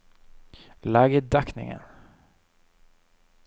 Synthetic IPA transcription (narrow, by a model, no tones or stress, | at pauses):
laːɡəd̪aknɪ̰ŋə̰n